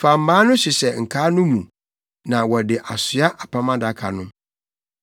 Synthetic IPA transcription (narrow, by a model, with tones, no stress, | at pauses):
fa˨m̩˨˦baː˦nʊ̃˦sɪ˨sɛ˨ŋ̩˨kʰaː˦nʊ̃˦mũ˨ | nã˨wɔ˨dɪ˨ʔa˨sʊ˨˦a˦ʔa˨pʰa˦mã˦da˦kʰa˨nʊ̃˦